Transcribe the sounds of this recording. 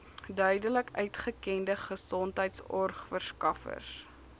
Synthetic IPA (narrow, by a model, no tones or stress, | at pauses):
dœɥdələkœɥtχəkɛndəχəsɔntɦəjtsɔrχfərskɐfə̰rs